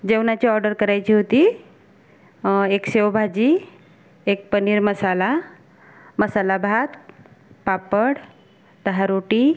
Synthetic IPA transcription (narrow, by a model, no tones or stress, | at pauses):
d͡ʑewnat͡ɕiɔɾɖəɾkəɾajt͡ɕiːɦot̪i | eksewbʱad͡ʑi | ek̚pəniːɾməsala | məsalabʱat̪papəɽ | d̪əɦaɾoʈi